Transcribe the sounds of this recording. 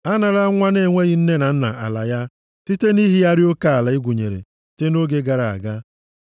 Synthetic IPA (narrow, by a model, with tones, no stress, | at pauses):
a˦na˨ɾa˦ŋʷa˦ne˦˨ŋʷe˦ɣɪ˦n̩˦ne˦na˨n̩˦na˨a˨la̰˨ja˦ | ti˦te˦ni˦ɦi˦ja˦ɾɪ˦o˦ka˦a˨la˨ɪ˦ɡʷu˨ɲḛ˨ɾḛ˨ | te˦no˦ɡe˦ɡa˨ɾa˨a̰˨ɡa˦